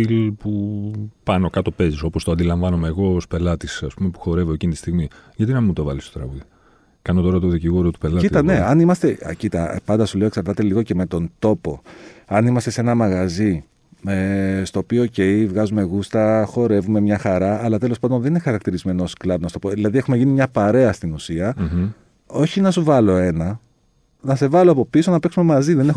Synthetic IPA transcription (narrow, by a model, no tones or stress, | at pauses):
ilpupɐno̞kɐt̪o̞pe̞ziso̞post̪oɐnd̪ilɐɱvɐnomeːɣo̞spe̞lɐt̪isɐspumepu̥xo̞ɾe̞voecint̪i̥st̪iɣmijʝɐt̪inɐmimut̪o̞vɐlist̪ot̪ɾɐ̰ɣuði | kɐnot̪o̞ɾɐt̪oðiciɣoɾot̪upelɐiɐneɐnimɐst̪e̞cit̪ɐpɐnd̪ɐsule̞eksɐɾt̪ɐt̪e̞liɣo̞ceme̞t̪o̞nt̪o̞po̞ɐnimɐst̪ese̞nɐmɐɣɐzi | est̪o̞ːpioːce̞jivɣɐzume̞ɣust̪ɐxo̞ɾe̞vume̞mɲɐxɐɾɐːlɐt̪e̞lo̞spɐnd̪o̞nðeninexɐɾɐk̚t̪iɾizme̞noosklɐbnɐst̪opoðilɐðiexume̞ʝinimɲɐpɐɾe̞ɐst̪inusiɐ | o̞çinɐsuvɐlo̞e̞nɐ | nɐse̞vɐloɐpo̞pisonɐpeksume̞mɐziðenex